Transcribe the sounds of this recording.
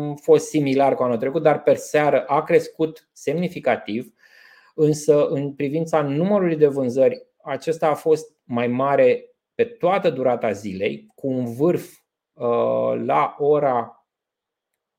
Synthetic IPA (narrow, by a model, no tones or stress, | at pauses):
fo̞st̪similarkuanult̪ɾekut̪̚d̪arpe̞rseaɾəʔakɾe̞skut̪ | se̞mnifikat̪iv | ɨnsəʔɨnpɾivint̪sanuməɾulujd̪e̞vɨnzərʲ | at͡ʃe̞st̪aːfo̞st̪̚majmaɾe̞ | pe̞t̪oat̪əd̪uɾat̪azile̞̰jkuːnvɨrf | la̰ʔo̞ɾa